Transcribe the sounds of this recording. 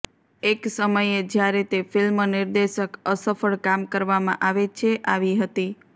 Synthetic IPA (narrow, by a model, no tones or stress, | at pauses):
eksəməjed͡ʒjaɾet̪efɪlmənɪɾd̪eʃəkəsəfəɭkamkəɾʋamã̰ʔaʋet͡ʃʰeʔaʋiɦət̪i